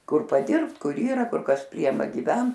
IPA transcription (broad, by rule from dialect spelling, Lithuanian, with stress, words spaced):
ˈkʊr pɐˈdʲɪrpt ˈkʊr ˈiːrɐ ˈkʊr kɐs ˈpʲrʲiɛmɐ ɡʲɪˈʋʲɛnt